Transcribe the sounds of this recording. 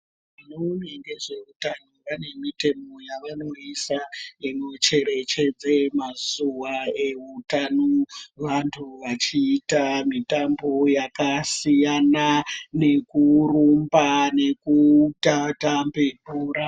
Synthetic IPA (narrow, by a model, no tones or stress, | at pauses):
ʋanoneŋɡe̞ʐe̞utanoʋane̞mite̞mo̞jaʋano̞isaino̞t͡ʃe̞ɾe̞t͡ʃe̞d͡zemazuʋae̞ɦutanoʋantʰuʋat͡ʃiːtamitambo̞jakasijanane̞kurumbane̞kutatambekuːɾa